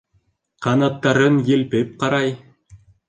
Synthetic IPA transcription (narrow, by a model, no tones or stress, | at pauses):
qɑnɑt̪ːɑɾɤnjɘ̆lpɘp̚qɑɾɑj